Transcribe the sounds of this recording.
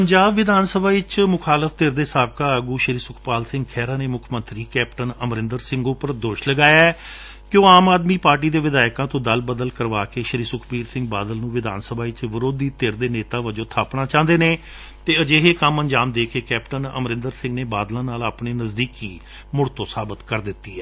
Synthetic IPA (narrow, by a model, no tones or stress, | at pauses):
pəɲd͡ʒaːbʋɪd̪aːnsəbʱaːɪt͡ʃmʊkʰaːləfʰt̪ɪɾd̪eːsaːb̚kaːəɡuːʃəɾiːsʊkʰpaːlsɪ̃ŋɡkʰɛːɾaːneːmʊkʰmə̃nt̪ɾiːkɛːpʈənəmɾɪ̃nd̪əɾsɪ̃ŋɡopəɾd̪oːʃləɡaːjaɛː | kjõːaːmaːd̪miːpaːɾʈ̬iːd̪eːʋɪd̪aːɪkãːt̪õːd̪əlbəd̪əlkəɾʋaːkeːʃəɾiːsʊkʰpiːɾsɪ̃ŋɡ̚ba̰ːd̪əlnũːʋɪd̪a̰ːnsəbʱaːʋɪt͡ʃʋəɾoːd̪iːt̪eɾd̪eːneːt̪aːʋəd͡ʒõːt̪ʰaːpnaːt͡ʃãːnd̪eːneː | t̪eːəd͡ʒeːɦeːkəmənd͡ʒaːmd̪eːkʰeːkɛːpʈənə̰mɾɪ̃nd̪əɾsɪ̃ŋɡneːbaːd̪lãːnaːlaːpɳeːnəzd̪iːkiː | mʊɽt̪õːsaːbət̪kəɾd̪ɪt̪ːiːɛː